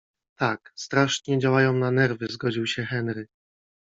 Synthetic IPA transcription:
t̪akst̪ɾaʂɲɛd͡ʑawajɔ̃w̃nanɛɾvɘzɡɔd͡ʑiwɕɛxɛnɾɘ

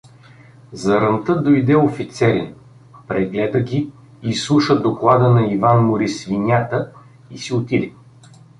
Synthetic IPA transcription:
zɐɾənt̪ɤd̪ojd̪ɛofit̪sɛɾʲin | pɾɛɡlɛd̪əɡʲi | islˠuʃəd̪oklˠad̪ənɐivanmʊɾisvinʲat̪ə | isiot̪id̪ɛ

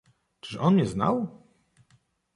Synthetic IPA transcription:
t͡ʂɘ̥ʂɔnɲɛzna̰w

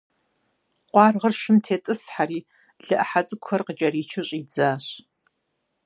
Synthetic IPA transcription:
qʷɑːrʁərʃɪmtʰeːtʼɨsħaɾiː | ɮɨʔɐħat͡sʼɨkʷʰɐrqət͡ʃʼɐriːt͡ʃʰɪɕʼid͡zaːɕ

